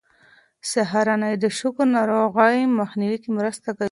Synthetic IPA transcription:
saɦaɾanajd̪əʃʊkɾnɑɾoɣajmaxniwikimɾəst̪aka

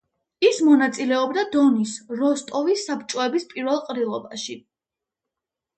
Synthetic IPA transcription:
ismɔnat̪sʼilɛɔbd̪ad̪ɔnisɾɔst̪ʼɔvisːapt͡ʃʼɔɛbispʼiɾvɛlˠqʼɾilˠɔbaʃi

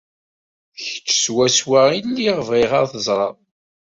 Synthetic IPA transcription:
çə̥t͡ʃːə̥swæswainːiʁəvʁiʁaɾθəzˤɾˤɑ̰

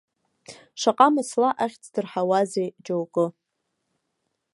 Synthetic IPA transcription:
ʂaqʼamɨslaʔaχʲt͡sʰʼdɨrħawazejd͡ʒowkʼɨ

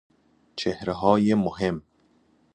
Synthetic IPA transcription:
t͡ʃʰehɾeɦɒːjemohem

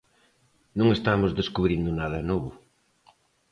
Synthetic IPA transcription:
nõŋest̪amʊzðeskuβɾind̪ʊnaðɐnɔβʊ

